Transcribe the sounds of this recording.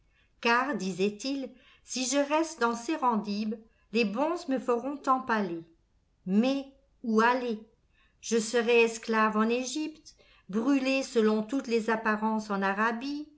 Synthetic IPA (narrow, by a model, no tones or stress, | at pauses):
kaʁd̪izɛt̪il | siʒəʁɛst̪d̪ɑ̃seʁɑ̃d̪ib | lebɔ̃zməfəʁɔ̃t̪ɑ̃pale | mɛ | uale | ʒ̥əsəʁɛɛsklavɑ̃neʒipt̪ | bʁylesəlɔ̃t̪ut̪lezapaʁɑ̃sɑ̃naʁabi